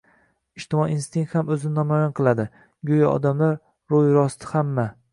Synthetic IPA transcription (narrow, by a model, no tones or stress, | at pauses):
ɪʃt̪ɪmɒiinst̪ɪŋkt̪hamɵzɪnɪnɒmajɒnqʰɨlˠad̪ɪ | ɡʲojaɒ̰d̪amlaɾ | ɾojɾɒst̪ʰɪ̥hamːa